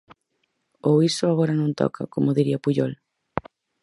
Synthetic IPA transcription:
oisʊaɣɔɾɐnõnt̪ɔ̰kʰa̰komoðiɾiɐpuʎɔl

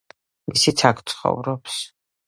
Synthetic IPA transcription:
misit̪sʰakʰt̪sʰχɔ̰vɾɔps

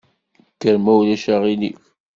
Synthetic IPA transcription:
kːəɾmæwlæʃæʁilḭf

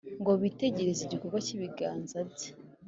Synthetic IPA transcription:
ŋɡo̞βite̞ɟe̞ɾeziɟikoɡwaciβiɡaːnzabɟe̥

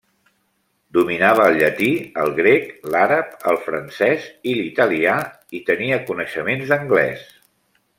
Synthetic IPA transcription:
d̪uminaβ̞əːlˠʎət̪iəlˠɣɾeklaɾəp̚ə̰lˠfɾənsɛzilit̪əlia | it̪əniəkunəʃəmenzðəŋɡlɛ̰s

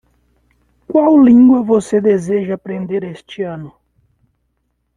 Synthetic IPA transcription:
kwawlĩŋɡwɐvosed̪ezeʒɐːpɾẽnd̪eɾest͡ʃɪɐ̃nʊ

